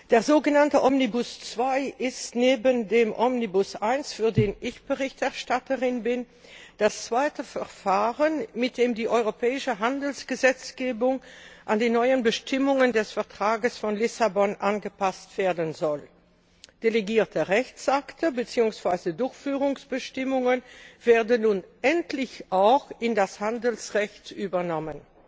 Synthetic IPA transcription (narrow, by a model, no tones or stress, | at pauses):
d̥eːɐzoːɡənantəʔɔmnibʊst͡sv̥aɪʔɪstneːbəndeːmʔɔmnibʊsʔaɪnsfyːɐdeːnʔɪçb̥əʁɪçtɛɐʃtatəʁɪnbɪn | d̥ast͡sv̥aɪtəfɛɐfaːʁənmɪt̚d̥eːmdiːʔɔʏʁopɛːɪʃəɦandl̩sɡ̥əzɛt͡sɡ̥eːbʊŋʔandeːnːɔʏənbəʃtʰɪmʊŋəndɛsfɛɐtʁ̥aːɡəsfɔnlɪsabɔnʔanɡəpastv̥eːɐdənzɔl | d̥eleɡiːɐtʰəʁɛçt͡sʔaktəbət͡siːʊŋsv̥aɪzədʊɐçfyːʁʊŋsb̥əʃtɪmʊŋənv̥eːɐdənːuːnʔɛntlɪçʔaʊxʔɪndashandəl̩sʁɛçtʔyːbɐnɔmən